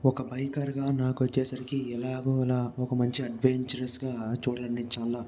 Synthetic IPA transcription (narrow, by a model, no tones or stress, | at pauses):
ɔkɐbɐjkaːɾɡaːnaːkʋɐt͡ʃːɛːsɐɾikiɛlaːɡoːilaːɔkɐmɐɲt͡ʃiɐɖʋeɲt͡ʃɐɾɐsɡaːt͡ʃuːɽɐlɐnːiːt͡ʃaːlaː